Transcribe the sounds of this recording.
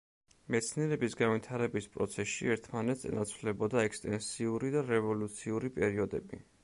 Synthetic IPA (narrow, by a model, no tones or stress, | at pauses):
mɛt̪sʰniɛɾɛbisɡanvit̪ʰaɾɛbispʼɾɔ̰t̪sʰɛsḭɛɾt̪ʰmanɛt̪ʰsɛ̰nat̪sʰvlɛbɔd̪aɛkst̪ʼɛnsiuɾid̪aɾɛvɔlut̪sʰiuɾipʼɛɾiɔd̪ɛbi